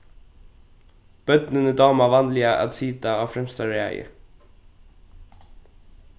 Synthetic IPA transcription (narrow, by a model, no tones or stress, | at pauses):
b̥œt̪nənəd̪ɑːmɑʋɑnlɪɑʔæ̰d̪siːt̪ɑɑːfɾɛmst̪ɑɹɛæ̰ɪə̰